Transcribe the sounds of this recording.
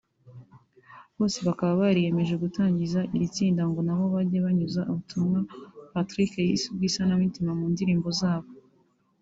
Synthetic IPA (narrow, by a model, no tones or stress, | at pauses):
βo̞ːse̞βakaβaβaɾije̞me̞ʒe̞ɡutaːɲɟizaʔiɾit͡siːndaŋɡo̞naβo̞βaɟeβaɲuzaʔuβutumŋapatɾikejisubɡiːsanamitimamuːndiɾiːmbo̞zaːβo̞